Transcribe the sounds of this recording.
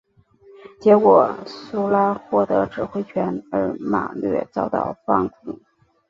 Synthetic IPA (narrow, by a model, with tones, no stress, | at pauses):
t͡ɕjɛ˧˥kwɔ˨˩su˥la˥xwɔ˥˩t̪ɤ˧˥ʈ͡ʂɻ̩˨˩xwe˥ɪt͡ɕʰɥɛ˧˥nə˧˥ma̰˨˩lɥɛ̰˥˧t͡sɑ˥˧ʊt̪ɑ̰˥˧ʊfɑ̰˥˩ŋkʰṵ˨˩˦